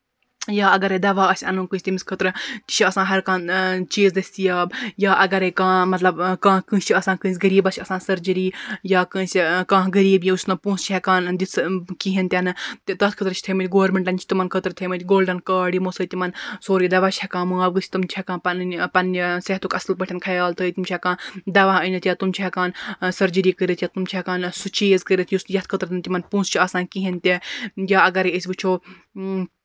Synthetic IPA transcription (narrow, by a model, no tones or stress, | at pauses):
jaːɐɡɐɾeːd̪ɐʋaːɐsʲɐnũːkɨsʲt̪imiskʰət̪ɾɨt̪i̥ʃʰiɐsãːɦɐɾkãːnt͡ʃiːzd̪ɐsʲt̪ijaːbjaːʔɐɡɐɾeːkãːmɐt̪lɐbkãːkɨ̃ːt͡ʃʰiɐsãːkɨ̃ːsʲɡɐɾiːbɐsʲʰɐsãːsɐɾd͡ʒiɾiːjaːkɨ̃ːsʲikãːɡɐɾiːbjĩusnɐpũːst͡ʃʰɛkaːnd̪isʰkiɦint̪ʲɐnɨt̪t̪ɐt̪kʰət̪ɾt͡ʃʰt̪ʰɐmɨt̪ʲɡoːɾmeɳʈɐnt͡ʃʰt̪imɐnkʰət̪ɾɨt̪ʰemɨt̪ʲɡoːlɖɐnkaːɽiːmosɐːt̪ʲimɐnsoːɾid̪ɐʋaːt͡ʃʰɛkãːmuaːbɡɨt͡ʃʰi̥t̪umt͡ʃʰɛkãːnpɐpɐnseɦt̪ukɐsɐlpəʈʰʲɐnkʰɐjaːlt̪ʰət̪umt͡ʃʰekãːd̪ɐʋaɦənɐt̪ʲjaːt̪umt͡ʃʰɛkaːnsɐɾd͡ʒiɾiːkəɾet̪jaːt̪umt͡ʃʰekaːnsut͡ʃiːzkəɾet̪ʰjiusjɐt̪̚ʰkʰət̪ɾt̪nt̪ʲimɐnpũːnst͡ʃʰiaːsaːnkiɦint̪ʲejaːɐɡɐɾəsʲbɨt͡ʃʰoː